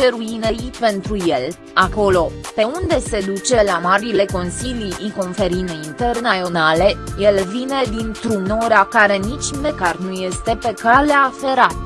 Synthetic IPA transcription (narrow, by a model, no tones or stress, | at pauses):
t͡ʃeɾuinejipe̞nt̪ɾuje̞l | ako̞lo̞pe̞und̪e̞se̞d̪ut͡ʃe̞lamaɾile̞ko̞nsilijiko̞nfe̞ɾineint̪e̞rnəjonale̞je̞lvine̞d̪int̪ɾunoɾakaɾe̞nit͡ʃʲmekarnuje̞st̪e̞pe̞kaleafe̞ɾat̪